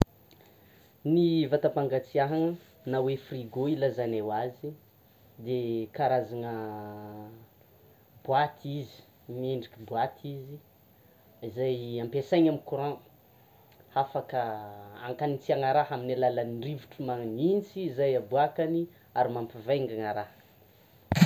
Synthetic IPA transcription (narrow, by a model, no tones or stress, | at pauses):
nivat̪apaŋɡat͡siaɦaŋə | nawefriɡoilazanewazi | d̪ekaɾazaŋə | bwat̪ʰizi̥ | meɳɖ͡ʐikibuat̪ʰizi | izajampesajɲamikuɾɔ̃ | afakəa̰ŋkanit͡siaŋaɾaɦaminalalanirivuʈ͡ʂumaŋnint͡sizajabuakani | aɾimampivaŋɡaŋaɾah